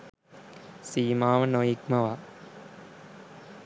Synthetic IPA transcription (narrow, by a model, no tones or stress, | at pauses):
siːmaːʋɐnoːjikmɐʋaː